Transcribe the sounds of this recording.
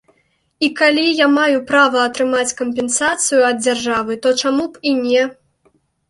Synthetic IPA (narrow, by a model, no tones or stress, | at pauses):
ikalʲijamajupɾavɐːt̪ɾɨmat͡sʲkɐmpʲɛnsat̪sɨjuɐd̪̚d͡zʲarʐavɨt̪ɔt͡ʂamupinʲɛ